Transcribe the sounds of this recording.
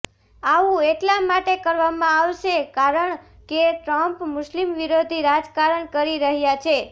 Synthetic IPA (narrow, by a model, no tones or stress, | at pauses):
aʋũeʈlamaʈekəɾʋamãaʋʃekaɾəɳ | keʈɾəmpmʊʃlimʋiɾod̪ʱiɾad͡ʒkaɾəɳkəɾiɾəɦjat͡ʃʰe